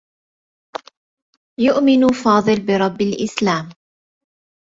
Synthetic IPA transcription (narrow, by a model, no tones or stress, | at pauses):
jʊʔmɪnfɑːd̪ˤɨlbɪɾˤɑbːalʔɪslaːm